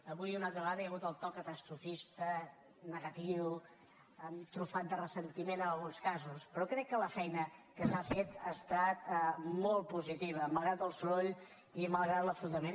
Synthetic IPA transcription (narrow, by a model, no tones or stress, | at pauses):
əβujunalt̪ɾəβəɣaðəjəɣut̪əlˠt̪ɔkət̪əst̪ɾufist̪ə | nəɣət̪iw | ət̪ɾufat̪̚d̪ərəsənt̪imenənəlˠɣunskazuspɾɔkɾɛkːələfɛjnəkəsafet̪ast̪at̪mɔl̚ˠpuzit̪iβ̞əməlˠɣɾat̪əlˠsuɾoʎ | iməlˠɣɾat̪ləfɾut̪əmen